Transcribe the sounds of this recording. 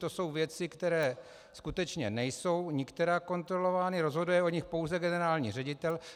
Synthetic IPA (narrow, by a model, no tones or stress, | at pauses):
t̪oso̞wvjɛt͡sɪkt̪ɛɾɛː | skut̪ɛt͡ʃɲɛnɛjso̞wɲɪkt̪ɛɾaːko̞nt̪ɾo̞lo̞vaːnɪɾo̞zɦo̞dujɛoɲɪxpo̞wzɛɡɛnɛɾaːlɲḭːr̝ɛɟɪt̪ɛl